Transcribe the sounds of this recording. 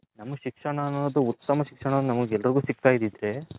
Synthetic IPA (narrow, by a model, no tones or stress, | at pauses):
nɐmːɐʃikʂɐɳɐːnoːd̪uut̪ːɐmɐʃikʂɐɳɐd̪unɐmɐɡɛlːɐɾiɡuːsiɡ̚t̪aːjid̪id̪ɾe̞